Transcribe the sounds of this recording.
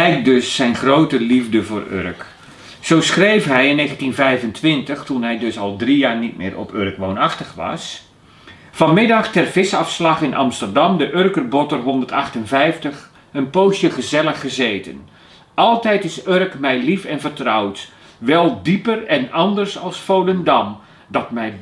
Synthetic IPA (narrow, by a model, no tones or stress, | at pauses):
lɛjkdøsːɛjnχroːtəlivdəvoːrø̰rk | sowsχrejfɦɛjɪnːeːɣəntinvɛjvəntʋɪntəxtunɦɛjdøsɑlˠdrijaːrnit̚mɪ̰ːɾʔɔ̰pʰørkʋoːnaxtəxʋɑ̰s | fɑnmɪdɑxtɛrv̥ɪsɑfslɑxɪnʔɑ̰mstərdɑmdəʔørkərbɔtərɦɔndərtɑxtənvɛjftəx | ənpoːsjəχəzɛlˠəxːəzeːtə̰n | ʔɑlˠtɛjtɪsørkmɛjlifɛnfərtrawt | ʋɛlˠdipərɛnɑndərsɑlˠsfowdəndɑm | dɑtmɛj